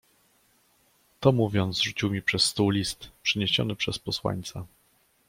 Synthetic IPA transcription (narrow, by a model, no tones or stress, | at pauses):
t̪ɔmuvʲjɔnt̪zʐut͡ɕiwmʲipʂɛsːt̪uwlʲist̪pʂɘɲeɕɔ̰nɘpʂɛspɔswa̰ɲt̪sa